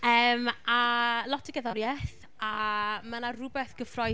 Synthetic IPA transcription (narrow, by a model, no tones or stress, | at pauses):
əːmalˠɔtʰəɡəðɔɾjɛθ | amanarʊbɛθɡ̥əfrɔ